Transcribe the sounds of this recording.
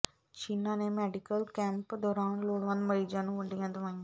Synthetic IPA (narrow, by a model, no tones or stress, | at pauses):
t͡ʃiːnãːneːmɛːɖɪkəlkɛ̃ːmpd̪ɔːɾãːnloːɽʋə̃nd̪məɾiːd͡ʒãːnũːʋəɳɖijãːd̪ʊʋaːĩãː